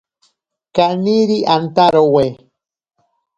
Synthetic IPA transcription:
kaniɾiʔant̪aɾowe

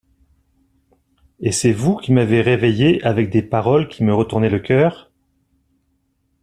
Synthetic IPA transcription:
esɛvukʲimaveʁevejeʔavɛk̚d̪epaʁɔlkʲʰiməʁət̪uʁnɛləkʲœːʁ

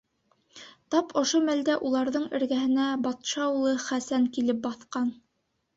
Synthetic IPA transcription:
t̪ɑpʰŏʃomæld̪æʔulˠɑɾðɤɴɘ̆ɾɡæɦɘ̆næbɑt̪ʃɑwlˠɤχæsæŋkilɘp̚bɑθqɑn

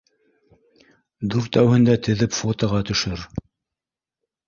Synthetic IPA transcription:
d̪uɾt̪æwhɘ̆nd̪æt̪ɘ̆ðɘpfot̪oʁɑt̪ɵ̆ʃɵɾ

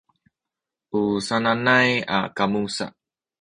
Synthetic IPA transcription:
ʔusananaja̰kamusa̰

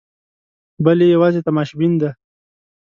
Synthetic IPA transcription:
bəlejawɑzet̪amaʃbind̪a

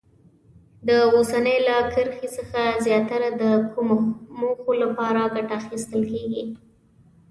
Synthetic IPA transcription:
d̪əosanəjlakəɾxisəxazjɑt̪aɾad̪əkʰumomoxolapɑɾaɡaʈaːxist̪əlkeɡi

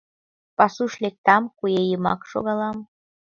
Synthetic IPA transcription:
pɑsuʃlek̚t̪ɑmkujejəmɑ̰kʃo̰ɣɑlɑm

